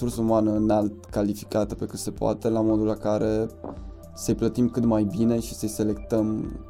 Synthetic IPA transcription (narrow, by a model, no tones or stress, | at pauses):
ursəumanəɨnalt̪̚kalifi̥kat̪əpe̞kɨt̪se̞poa̰t̪e̞lamo̞d̪ulakaɾe̞ | səjplət̪imkɨt̪majbine̞ʃi̥səjse̞le̞kt̪əm